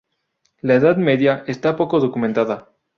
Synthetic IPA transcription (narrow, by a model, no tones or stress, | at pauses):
laeðaðme̞ðjaest̪apo̞ko̞ðo̞kumẽnt̪aða